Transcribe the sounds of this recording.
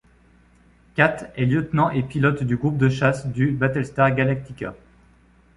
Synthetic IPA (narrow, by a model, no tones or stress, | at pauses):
kʲat̪χɛljøt̪nɑ̃ʔepilɔt̪d̪yɡʁup̚d̪əʃasd̪ybat̪ɛlst̪aʁɡʲalak̚t̪ikʲa̰